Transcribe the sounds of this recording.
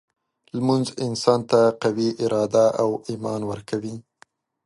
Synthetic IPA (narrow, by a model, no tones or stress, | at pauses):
lmunzɪnsɑnt̪aqawiʔɪɾɑd̪aʔawimɑnwəɾkawi